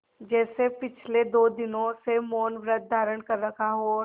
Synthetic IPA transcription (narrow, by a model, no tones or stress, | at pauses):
d͡ʒɛːsepɪt͡ʃʰled̪oːd̪ɪnõsemoːnʋɾət̪̚d̪ʱaːɾəɽkɐɾːɐkʰaɦo